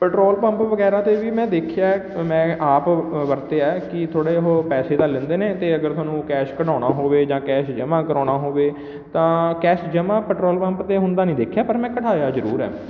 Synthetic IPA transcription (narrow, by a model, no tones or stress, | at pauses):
pɛːʈɾoːlpəmpʋəɡɛːɾãːt̪eːʋiːmɛ̃ːd̪eːkʰjaːmɛ̃ːʔaːpʋəɾt̪eːaːkɪt̪ʰoːɽeːɦoːpɛːseːd̪aːlːɪ̃nd̪eːneːt̪eːəɡəɾt̪ʊwaːnũːkɛːʃkəɽãːnaːɦoːʋeːd͡ʒãːkɛːʃd͡ʒəmãːkəɾaːnaːɦoːʋeː | t̪ãːkɛːʃd͡ʒəmãːpɛːʈɾoːlpə̃mpt̪eːɦʊ̃nd̪aːnĩːd̪eːkʰjaːpəɾmɛ̃ːkəʈʰaːjaːzəɾṵːɾɛ̰ː